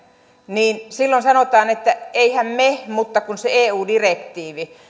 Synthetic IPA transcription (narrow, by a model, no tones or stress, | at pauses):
niːnsilːonsɑnot̪ɑːnet̪ːæeihæmmemut̪ːɑkunseeːuːdirekt̪iːʋi